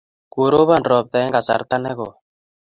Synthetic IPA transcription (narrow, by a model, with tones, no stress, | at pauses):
ku˨ɾo˦βa˦nɾɔ˨p̚t̪ɛ˨˦ŋɡa˨sa̰˨ɾt̪a˦nɛ˦kɔ˨